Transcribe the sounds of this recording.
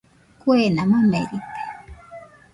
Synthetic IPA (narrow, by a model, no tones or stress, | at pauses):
kwenamamḛɾipe̥